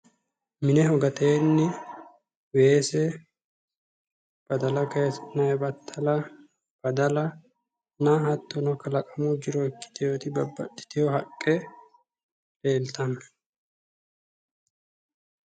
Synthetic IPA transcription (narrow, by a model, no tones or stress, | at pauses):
mɪnɛɦɔɡɐt̪eːnːɪ | weːsɛ | b̥ɐd̪ɐlɐkeːsnɐɛbɐt̪ʰːɐlɐ | b̥ɐd̪ɐlɐ | nahɐt̪ːɔnɐkːɐlɐkʼɐmud͡ʒɪɾɔɪkːɪ̥t̪ɪjoːt̪ɪbɐbːɐ̰t̪ʼːɪ̥t̪ɪjɔhɐkʼːɛ | le̞ːlt̪ɐm